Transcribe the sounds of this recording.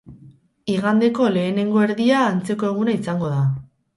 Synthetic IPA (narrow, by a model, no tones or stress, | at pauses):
iɣand̪e̞ko̞le̞ːne̞ŋɡo̞e̞ɾðiaːnt͡se̞ko̞e̞ɣ̞unaisaŋɡo̞ða